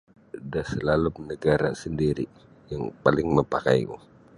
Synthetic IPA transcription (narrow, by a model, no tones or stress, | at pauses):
dahsəlalumnəɡaɾa̰səndiɾi | jaŋpalɪŋməpaka̰jŋṵ